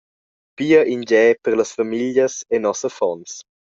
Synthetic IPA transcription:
piːəʔind͡ʒɛːpəɾləsfamiljəsenɔsəfɔns

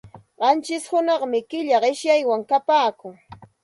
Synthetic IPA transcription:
ɢɑnt͡ʃɪshʊnɑχmɪkɪʎaɢɪʃjajwaŋkapaːkʊŋ

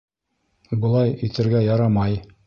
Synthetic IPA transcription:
bɤ̆lˠɑjit̪ɘ̆ɾɡæjɑɾɑmɑj

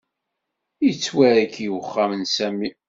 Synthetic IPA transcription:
jət͡sːwæɾækijəχːamənsæmi

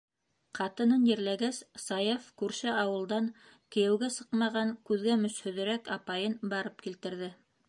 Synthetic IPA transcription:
qɑt̪ɤ̆nɤnjɘ̆ɾlæɡæssɑjefkʉɾʃɘʔɑwɤ̆lˠd̪ɑŋ | kɘ̆jæwɡæsɤqmɑʁɑŋkʉðɡæmɵ̆shɵ̆ðɘ̆ɾækɑpɑjɤnbɑɾɤp̚kilt̪ɘ̆ɾðɘ

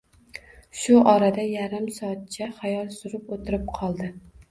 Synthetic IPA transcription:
ʃʊʔɒɾad̪ajaɾɪmsɒːt̪̚t͡ʃʰaχajɒlˠsʊɾɪpot̪ʰɪɾɪp̚qʰɒlˠd̪ɪ

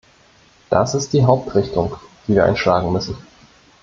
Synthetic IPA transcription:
d̥asɪst̚d̥iːɦaʊp̚tʁɪçtʊŋd̥iːviːɐʔa̰ɪnʃlaːɡŋ̩mʏsn̩

